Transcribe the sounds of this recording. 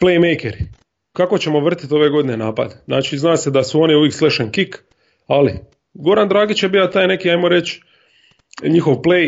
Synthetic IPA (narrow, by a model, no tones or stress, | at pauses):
plejmejkeɾi | kako̞t͡ɕe̞mo̞ʋr̩t̪i̥t̪o̞ʋe̞ɡo̞d̪inenaːpa̰d̪enaːt͡ʃiznaːsed̪asuo̞niuʋjeːksleʃenkik | ali | ɡo̞ɾand̪ɾaːɡit͡ɕjebijat̪aːjne̞kiajmo̞ɾe̞t͡ɕ | ɲixoʋplej